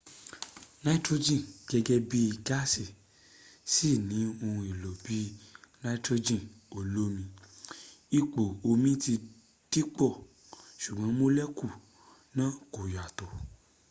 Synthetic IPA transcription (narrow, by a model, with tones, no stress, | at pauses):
na˦i˦tɾo˦d͡ʒĩ˦˨ɡ̥ɛ˧ɡɛ˦bi˦i˧˨ɡa˦si˨ | si˦˨nĩ˨˦o˧ũ˧i˨lo˨bi˨˦nã˦i˦tɾo˧d͡ʒĩ˦˨ | o˨lo˦mĩ˧ | i˦k͡po˨o˧mĩ˦ti˧ | d̥i˦k͡pɔ˦˨ | ʃu˨ɡ͡bã˨˦mo˦lɛ˦ku˦˨ | nãː˦˨ko˨ja˨to˨